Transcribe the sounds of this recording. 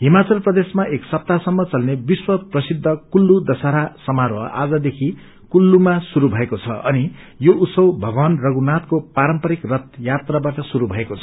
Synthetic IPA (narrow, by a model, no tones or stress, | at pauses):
ɦimat͡sʌlprʌd̪esmaʔeksʌp̚t̪asʌmːʌt͡sʌlnebiswʌprʌsid̪ʱːʌkulːud̪ʌsaɾasʌmaɾwʌʔa̰d͡zʌd̪ekʰi | kulːumasuɾubʱʌekot͡sʰʌʔʌni | jousʌwbʱʌɡwʌnrʌɡunat̪kopaɾʌmpʌɾikrʌt̪jat̪rabaʈʌsuɾubʱʌekot͡sʰʌ